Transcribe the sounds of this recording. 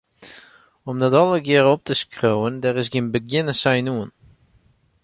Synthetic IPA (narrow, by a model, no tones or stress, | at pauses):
ʊmdɔtɔlˠəɡɪːɾɔp̚təʃkɾowəndɛʁɪʃ̬ɡɪnbəɡɪnəsajnuːn